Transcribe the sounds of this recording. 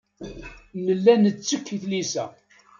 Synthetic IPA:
nəlːænət͡sːəkːiθlisæ̰

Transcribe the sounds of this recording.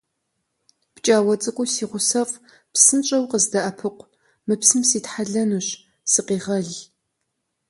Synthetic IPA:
pt͡ʃʼaːwɐt͡sʼɨkʷʼʊsiːʁʷʊsɐfʼ | psɨnt͡ʃʼɐwqəzdɐʔɐpʰɨqʷ | mɨpsɨmsiːtħaɮɐnuɕ | sɨqiːʁɐɮ

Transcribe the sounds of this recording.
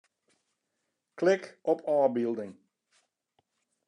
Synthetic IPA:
klɪkɔpʰɑːbilˠdɪŋ

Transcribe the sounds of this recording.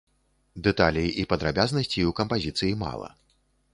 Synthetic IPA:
d̪ɛt̪alʲijiʔipɐd̪ɾabʲaznɐsʲt͡sʲiukɐmpazʲit̪sɨjima̰lˠɐ̰

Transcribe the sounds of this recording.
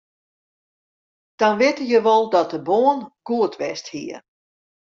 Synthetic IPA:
d̥ɔnʋɪtəjəʋɔlˠdɔt̚dəboːənɡ̥uətʰʋɛsthiə

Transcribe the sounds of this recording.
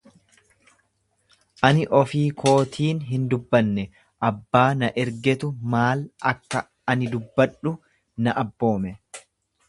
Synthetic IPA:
ʔɐnɪʔɔfiːkʰo̞ːt̪ʰiːnɦɪnd̪ʊbːɐnːɛ | ʔɐbːaːnɐʔɛɾɡɛt̪ʊmaːlɐkːɐ | ɐnɪd̪ʊbːɐᶑʊ | nɐʔɐbːo̞ːmɛ

